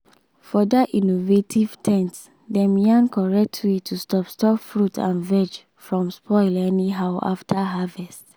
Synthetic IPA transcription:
fɔdaʔinovetʰiv̥tʰɛ̃nts | dɛ̃mjãnkɔɹɛk̚tʰwetʰustɔpstʰɔpfɹutʰã̰nvɛd͡ʒ | fɹɔ̃mspʰɔɪlɛniɦaʊʔa̰ftʰaɦavɛst

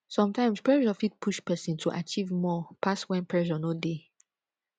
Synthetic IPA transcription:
sɔ̃mtãɪ̃mspɹɛʃɔfit̚pʰuʃpɛsĩntʰuʔa̰t͡ʃivmɔpʰaswɛ̃npʰɹɛʃɔnode

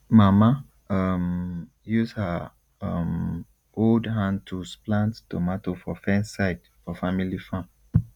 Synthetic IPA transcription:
mama | ʌm | jushə | ʌ̰m | oldɦãntʰusplãnttomatofɔfɛ̃nsaɪd | fɔfamilifãm

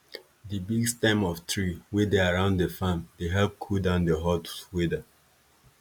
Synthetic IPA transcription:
dibiɡstãɪ̃mɔftɹiwedeaɹãʊ̃ndefãmdeɦɛlp̚kʰudãʊ̃ndeɦɔtswedə

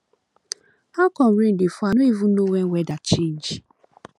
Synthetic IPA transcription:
hakɔm̩ɾen̩defuanoivunowewɛdat͡ʃend͡ʒ

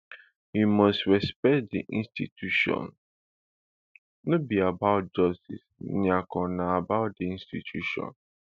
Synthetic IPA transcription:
himɔstɹɛspɛkt̚dḭʔĩnstitʰjuʃɔ̰̃n | nobiabaʊt̚d͡ʒɔstḭsniakɔ̃naabaʊt̚diĩnstitʰjuʃɔ̰̃n

